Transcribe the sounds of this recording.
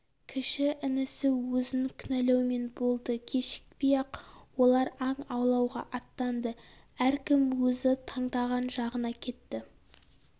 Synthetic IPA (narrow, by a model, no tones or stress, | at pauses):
kʲʰɪʃɪʔɪnɪsɪwɵzɪnŋkʲʰʏnælewme̞nbo̞lˠd̪əkʲʰe̞ʃɪ̥k̚bijɑqwo̞lˠɑɾɑɴɑwlˠɑwʁɑ̰ʔɑt̪ːɑnd̪ə | æɾkʲɪmwɵzɪt̪ʰɑɴd̪ɑʁɑnʒɑʁənɑkʲʰe̞t̪ːɪ